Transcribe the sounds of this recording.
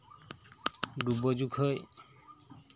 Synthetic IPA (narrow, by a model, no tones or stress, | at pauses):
ɖubɔd͡ʒukʰoj